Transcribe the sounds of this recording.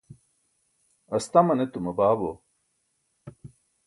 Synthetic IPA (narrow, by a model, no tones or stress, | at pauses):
ɐst̪ɐmɐnet̪umɐbaːbo